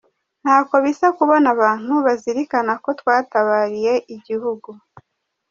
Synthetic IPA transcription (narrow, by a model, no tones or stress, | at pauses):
n̥haːko̞βisakuβonaβaːn̥huβaziɾikanako̞twaːtaβaːɾije̞ʔiɟihuɡu